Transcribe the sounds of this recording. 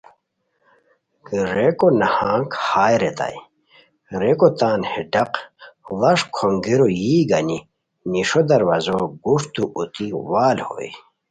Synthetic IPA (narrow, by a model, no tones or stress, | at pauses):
ɾekonɐhãːŋkhaːjɾet̪a̰j | ɾekot̪aːnhiɖɐqlɐʂkʰoŋɡiɾojiːɡɐni | niʂod̪ɐɾwɐzoɡuʂt̪uʔut̪iwaːlho̰ːj